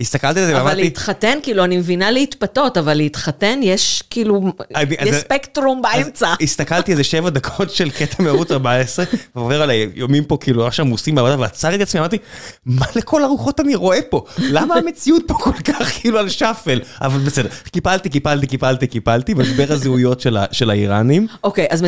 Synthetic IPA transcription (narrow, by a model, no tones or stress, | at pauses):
ist̪akalt̪ialzevaeamaʁleit̪χatenkiːluanimevinaleit̪pat̪o̞tavalːeit̪χat̪enjeʃkiːluaniʔaspekt̪ʁumbaemt͡saist̪akalt̪ielzeʃevad̪akʰo̞tʃe̞lket̪ʰameaʁut͡saʁbaesʁevveʁalajjomimpo̞kiːluaχʃamusimbeabad̪aveat͡saʁt̪iat͡smiamaʁt̪imalekʰo̞laʁuχo̞t̪aniʁo̞e̞po̞lamaːmet͡siut̪̚po̞kolkaχkiːlualʃafela̰valbesed̪e̞ʁkipalt̪ikipalt̪ikipalt̪ikipalt̪imaʃbe̞ʁhazeujo̞tʃela̰ʃe̞laiʁanimokejazme